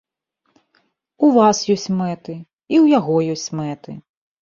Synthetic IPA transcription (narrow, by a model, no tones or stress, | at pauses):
uvasjɔsʲt͡sʲmɛt̪ɨ | iwjaɣɔjɔsʲt͡sʲmɛt̪ɨ̰